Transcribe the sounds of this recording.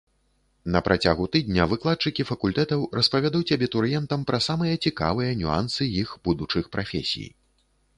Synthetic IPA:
nɐpɾʔat͡sʲaɣut̪ɨd̪ʲnʲɐvɨklˠat̪t͡ʂɨkʲifɐkulʲt̪ɛt̪ɐwrɐspavʲad̪uwt͡sʲabʲɛt̪uɾjɛnt̪ɐmpɾʔɐsamɨjɐt͡sʲika̰vɨjɐnʲua̰nsɨjixb̥ud̪ut͡ʂɨxpɾafʲḛsʲḭj

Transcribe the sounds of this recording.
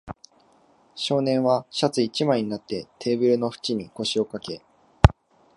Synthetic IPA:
ɕo̞ːnẽ̞ɰ̃βaɕat͡sɨit͡ɕimaiɲ̟inat̪ːe̞t̪ʰe̞ːbɯ̟ɾɯ̟no̞ɸɯ̥t͡ɕiɲ̟iko̞ɕio̞kake̞

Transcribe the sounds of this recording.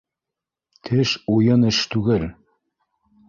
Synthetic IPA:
t̪ʰɘʃujɤnɘ̆ʃt̪ʉɡɘl

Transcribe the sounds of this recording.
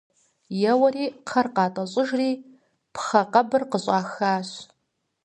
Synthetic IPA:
jɐwɐriːqʰɐrqɑːtʼɐɕʼɪʒriː | pʰχɐqʼɐbɨrqəɕʷʼɑːxaːɕ

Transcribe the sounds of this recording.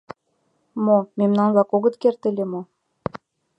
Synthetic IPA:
momemnɑnβɑkoɣə̆t̪kert̪elʲemo

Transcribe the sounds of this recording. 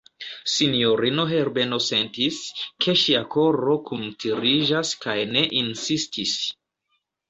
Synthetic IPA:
sinijo̞ɾino̞ɦe̞ɾbe̞no̞se̞ntiskʰe̞ʃiakʰo̞ɾo̞kuntʰiɾiʒaskajne̞ʔinsistʰis

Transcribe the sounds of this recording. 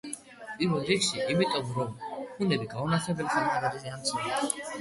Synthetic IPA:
pʼiɾvɛlˠɾikʃiʔimit̪ʼɔmɾɔmkʰunɛbiɡaunaχɛbɛltanaɾaɾizamt̪sʰilɛ̥

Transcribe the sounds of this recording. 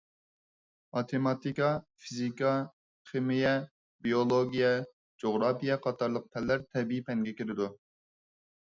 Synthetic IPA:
ɑt̪ʰemɑt̪ikɑfizikɑ | χɨmijɛ | biolˠoɡʲijɛ | d͡ʒoʁɾɑpijɛqʰɑt̪ʰɑɾlˠəq̚pʰɛlːæɾt̪ʰɛbiipʰɛŋɡʲɛkʲeɾɪd̪u

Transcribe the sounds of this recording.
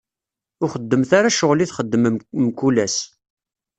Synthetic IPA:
ʊχəd̪ːəmθaɾaʃʊʁliθχəd̪ːəmmkːulæs

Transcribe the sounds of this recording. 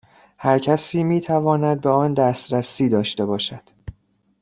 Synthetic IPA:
hæɾcʰæsiːmiːt̪ʰævɒːnæd̪̚beɒːnd̪æːst̪ɾæsiːd̪ɒːʃt̪e̞bɒːʃæd̪̥

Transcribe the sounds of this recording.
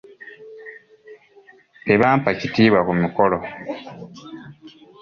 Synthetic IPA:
eβaːmpacitiːβwakumukolo̞

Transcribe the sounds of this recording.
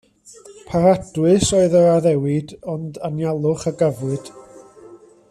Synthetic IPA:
pʰaɾad̥wɨsoːɨðəɾaðɛwɪdɔndanjalˠʊχəɡavwɨd̥

